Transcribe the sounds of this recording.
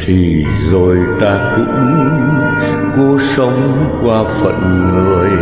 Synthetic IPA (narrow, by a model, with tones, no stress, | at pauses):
t̪ʰi˨˩ | zo˨˩jt̪aː˧kɨ̰˧˥əmu˧n | ko˨˦sə˨˦wŋ͡m | kwaː˧fə̰˧˨nŋə˨˩əj